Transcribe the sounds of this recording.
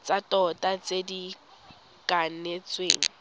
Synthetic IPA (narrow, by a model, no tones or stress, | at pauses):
t͡sʼatʼɔtʼat͡sʼedi | kʼan̩net͡sʼweːŋ̩